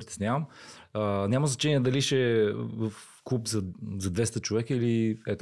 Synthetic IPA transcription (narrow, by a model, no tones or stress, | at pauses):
ɾit̪ʲɛsnʲavəmənʲaməznɐt͡ʃɛniɛd̪ɐliʃɛvəf | kupzɐzɐd̪vɛst̪ət͡ʃovɛkəiliɛt̪